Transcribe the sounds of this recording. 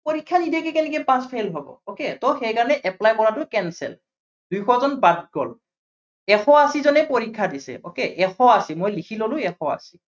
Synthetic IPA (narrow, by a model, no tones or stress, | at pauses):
poɹikʰːanidʱɛkɛkɛnɛkɛpãspʰajlɦɔbɔ̰oketɔxɛjkaɹɔnɛʔɛplajkɔɹatʊkɛnsɛ̰l | d̥ujxɔzɔnbad̚ɡɔl | ɛxɔasizɔnɛpoɹikʰːadisɛ̰okeʔɛxʰɔasimojlikʰilolʊ̃ɛxʰɔa̰si